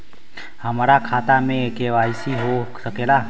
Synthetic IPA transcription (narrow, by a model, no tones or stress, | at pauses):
həmaːɾakʰaːt̪amẽkeʋaːisiɦosəkeːla